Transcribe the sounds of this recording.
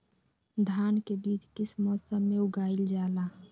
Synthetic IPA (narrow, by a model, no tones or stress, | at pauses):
d̪ʱaːnkebiːt͡ʃkɪsmɔːsəmːeʊɡaːild͡ʒaːlaː